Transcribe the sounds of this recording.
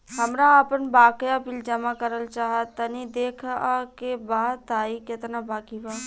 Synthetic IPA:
ɦɐmɾaəpənbaːkjapiːld͡ʒɐmakəɾəlt͡ʃaːɦət̪ːɐnid̪eːkʰːkebaːaːikɪt̪nabaːkibaː

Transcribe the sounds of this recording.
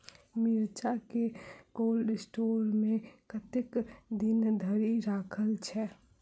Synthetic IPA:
miɾt͡ʃakeɡoːlɖsʈoːɾmẽkət̪ekd̪ɪnd̪ʱəɾiɾaːkʰəlt͡ʃʰɛ

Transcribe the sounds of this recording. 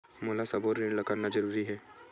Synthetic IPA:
moːlasɐboːɾːẽːɳɖlɐkaɾnad͡ʒɐɾuːɾiɦɛː

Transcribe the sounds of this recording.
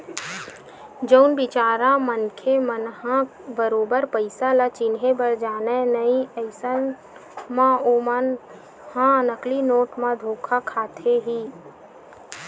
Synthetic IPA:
d͡ʒəʊnbɪt͡ʃaːɾãmənkʰemənɦã | bəɾoːbəɾpəɪsalat͡ʃɪnɦebəɾd͡ʒaːnenəiəɪsən | mãoːman | hãnəklinoːʈmãd̪ʱoːkʰakʰaːt̪ʰeɦiː

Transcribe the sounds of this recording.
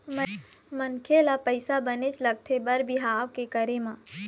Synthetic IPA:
mə | mɐnkʰelapəɪsabənet͡ʃlɐɡ̚t̪ʰebɐɾbɪɦaːwkekəɾemã

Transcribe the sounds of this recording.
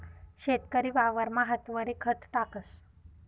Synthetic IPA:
ɕet̪kəɾiːʋaʋəɾmaɦət̪ʋəɾikʰət̪ʈakəs

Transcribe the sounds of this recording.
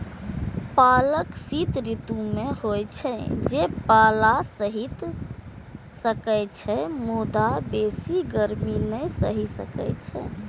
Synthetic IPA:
paləksit̪ɾit̪umehojt͡ʃʰɛd͡ʒepalasəɦit̪ | səkɛjt͡ʃʰɛmod̪abesiɡəɾminəsəɦisə̰kɛ̰t͡ʃʰɛ̰

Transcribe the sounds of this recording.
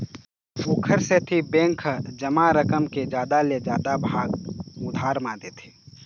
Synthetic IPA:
suːkʰəɾset̪ʰibẽːŋkʰd͡ʒəmaɾəkəmked͡ʒjaːd̪aled͡ʒjaːd̪abʱaːɡʊd̪ʱaːɾmãd̪eːt̪ʰe̥ː

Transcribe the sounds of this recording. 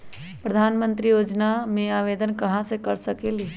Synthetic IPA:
pɾəd̪ʱaːnmə̃nt̪ɾijoːd͡ʒnamẽaːʋeːd̪ənkɐɦãsekɐɾsɐkeliː

